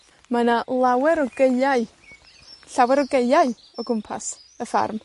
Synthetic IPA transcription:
manalˠawɛɾɔɡ̥eaj | ɬawɛɾɔɡejaɨ | ɔɡʊmpʰa̰səfa̰rm

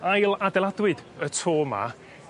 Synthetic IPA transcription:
ajlˠadɛlˠadwɨdətʰoːma̰

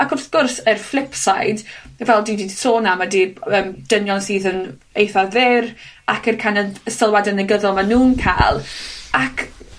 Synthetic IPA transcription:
akʰɔrθɡ̥ʊrsərflˠɪpsajdvɛlˠdiːdiːdsoːnamadiːəːmd̥ənjɔnsiːðən | ejθaðɪrakʰərkʰanəəsəlˠwadənəɡəðɔlˠmanuːnkʰa̰jlˠakʰ

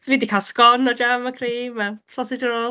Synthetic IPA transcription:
viːdikʰalˠskɔnad͡ʒamakʰriːmaɬɔsɪdəɾɔ

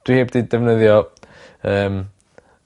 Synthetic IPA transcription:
d̥wiheːbdidɛvnəðjɔ | əːm

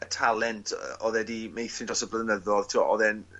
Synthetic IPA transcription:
ətʰalˠɛntʰɔðɛdimejθɪndɔsɔblˠənəðɔðtʰiwaʔɔðɛn

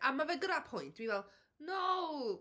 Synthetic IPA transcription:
ʔamavɛɡəɾapʰʊjntʰwivɛlˠ | now

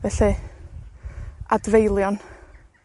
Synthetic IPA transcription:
vɛɬɨ | advejlˠjɔn

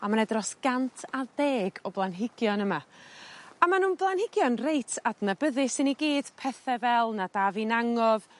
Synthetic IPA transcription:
amanɛdrɔsɡ̥antʰadeːɡɔblˠanɦɪɡ̥jɔnəma | amanuːnblˠanhɪɡ̥jɔnrejtʰadnabəðɨsɪniɡiːd̥pʰɛθɛvɛlˠnad̥avinaŋɔv

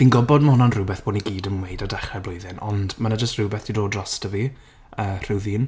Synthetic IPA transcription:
d̥inɡɔbɔdməhʊnɔanrʊbɛθb̥oːniɡiːdənwejdadaχrɛblˠʊjðɪnɔ̰ndmanad͡ʒəstrubɛθd̥ʰidoːdrɔstəvi | əːr̥ɪwðiːn

